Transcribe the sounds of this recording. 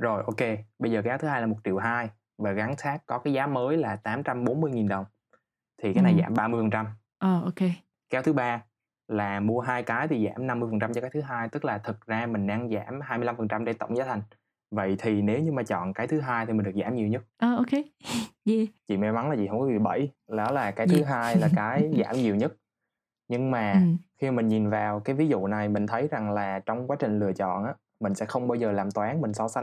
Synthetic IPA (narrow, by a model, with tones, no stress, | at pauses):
zo˨˩jʔo˧ke˧ɓə˧jzəː˨˩kaː˨˦wt̪ʰɨ˨˦ɦaː˧laː˨˩mo˨˩t̚t͡ɕi˧˨əwɦaː˧j | vaː˨˩ɣa˨˦ŋsaː˦˥kkːɔ˨˦kaː˨˦jzaː˨˦məː˨˦jlaː˨˩t̪aː˨˦mt͡ɕa˧mɓo˨˦nmɨ˧əjŋi˨˩nɗə˨˩wŋ͡m | t̪ʰi˨˩kaː˨˦jna˨˩jza̰ː˧˩mɓaː˧mɨ˧əjfə˨˩nt͡ɕa˧m | ʔəː˨˩ʔo˧ke˧ | kaː˨˦wt̪ʰɨ˨˦ɓaː˧ | laː˨˩mu˧əɦaː˧jkaː˨˦jt̪ʰi˨˩za̰ː˧˩mna˧mːɨ˧əfə˨˩nt͡ɕa˧mt͡ɕɔ˧kaː˦˥t̪ʰɨ˨˦ɦaː˧jt̪ɨ˦˥k̚laː˨˩t̪ʰə˨˩t̚zaː˧mï˨˩ŋ̟ɗaː˧ŋza̰ː˧˩mɦaː˧jmɨ˧jla˧mfə˨˩nt͡ɕa˧mɗe˧t̪ə̰˧˨wŋ͡mzaː˨˦t̪ʰa˨˩ŋ̟ | və̰˧˨jt̪ʰi˨˩ne˨˦wɲɨ˧maː˨˩t͡ɕɔ̰˧˨nkaː˨˦jt̪ʰɨ˨˦ɦaː˧jt̪ʰi˨˩˨ɗk̚za̰ː˧˩mɲi˨˩wɲə˦˥t̚ʔəː˨˩o˧ke˧˦ɛ˧˩t͡ɕḭ˧˨mɛ˨˦jma˨˦nlaː˨˩t͡ɕḭ˧˨hə˧wŋ͡mkɔ˨˧˦vḭ˧˨˩ɓə̰˧˩˨jlɔ˨˦laː˨˩kaː˨˦jt̪ʰɨ˨˦ɦaː˧jlaː˨˩kaː˨˦jza̰ː˧˩mɲi˨˩əwɲə˦˥t̚ | ɲɨ˧ŋmaː˨˩xi˧˨˩mï˨˩ŋ̟ɲi˨˩nvaː˨˩wkaː˨˦jvi˨˦zṵ˧˨na˨˩jmï˨˩ŋ̟t̪ʰə˨˦jza˨˩ŋlaː˨˩t͡ɕɔ˧wŋ͡mkwaː˨˦t͡ɕï˨˩ŋ̟lɨ˨˩ət͡ɕɔ̰˧˨nʔaː˨˦ | mï˨˩ŋ̟sɛ̰˧˥xə˧wŋ͡mɓaː˧wzəː˨˩laː˨˩mt̪waː˨˦nmï˨˩ŋ̟sɔ˧sa˧